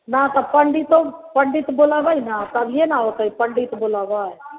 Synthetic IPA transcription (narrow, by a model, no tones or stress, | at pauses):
nat̪əbpəɳɖit̪opəɳɖit̪boːlaːʋainãt̪ɐbʱjenaɦoːt̪aipəɳɖit̪boːlaːʋaɛ